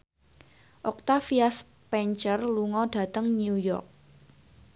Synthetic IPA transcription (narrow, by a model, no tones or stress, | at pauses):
ʔɔk̚t̪afias | pɛɲt͡ʃərluŋɔɖ̥ä̤t̪əŋnjiujɔ̰rk̚